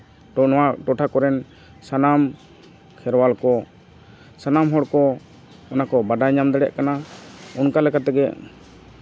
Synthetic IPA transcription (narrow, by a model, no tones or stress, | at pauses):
waʈɔʈʰakɔɾɛn | sanam | kʰɛɾwalkɔ | sanamɦɔɽkɔ | ɔnakɔbaɖaɲamd̪ɛɽɛʔkanaɔnkalɛkat̪ɛɡɛ